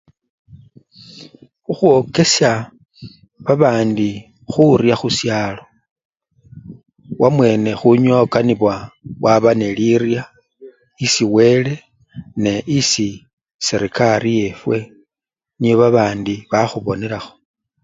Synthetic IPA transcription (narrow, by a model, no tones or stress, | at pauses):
xuxwo̞ke̞sja | βaβaːndi | xuɾjaxusjaːlo̞ | wamwe̞ne̞xuɲo̞kaniβwawaβane̞liɾja | isiwe̞ːle̞ | ne̞ʔisi | seɾikaɾije̞fwe̞ | nijo̞βaβaːndiβaxuβo̞ne̞ɾaxo̞̥